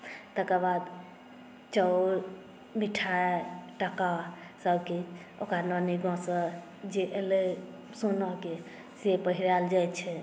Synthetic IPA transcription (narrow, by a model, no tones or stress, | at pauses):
t̪əkəbad̪ | t͡ʃɔɾ | miʈʰaʈakasəbke | okanɔniɡʱɔ̃sə | d͡ʒeʔele | sonɔke | sepəɦiɾald͡ʒajt̪t͡ʃʰɛ